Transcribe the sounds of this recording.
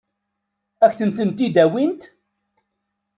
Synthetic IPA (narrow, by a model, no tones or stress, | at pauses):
æçθənt̪ənt̪id̪æwint̪